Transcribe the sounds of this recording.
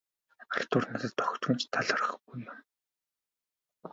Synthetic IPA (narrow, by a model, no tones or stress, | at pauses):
arʲt̪ʊrnat̪ə̆t̪ːɔxt͡ɕʊ̆mt͡ɕt̪ʰaɮə̆rə̆χɡujʊm